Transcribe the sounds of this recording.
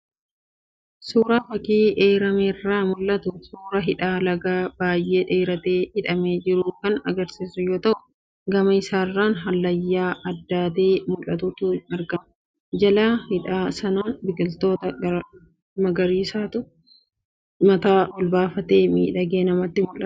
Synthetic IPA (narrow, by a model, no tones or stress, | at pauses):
suːɾaːfɐkiːʔeːɾɐmeːrːaːmʊlːɐt̪ʊsuːɾɐɦɪᶑaːlɐɡaːb̥aːjːe̞ːᶑe̞ːɾɐt̪e̞ːhɪᶑɐme̞ːd͡ʒɪɾuːkɐnɐ̰ɡɐɾsiːsʊjoːt̪ɐʔʊ̥ | ɡɐmɐɪsaːrːaːnɦɐlːɐjːaːɐd̪ːaːt̪eːmʊlːɐt̪ʊt̪ʊɐɾɡɐmɐ | d͡ʒɐlaːhɪᶑaːsɐnaːnbɪkɪlt̪o̞ːt̪ɐɡɐ | mɐɡɐɾiːsaːt̪ʊ | mɐt̪aːʔɔlbaːfɐt̪e̞ːmḭːᶑɐɡeːnɐmɐt̪ːɪmʊlʔɐ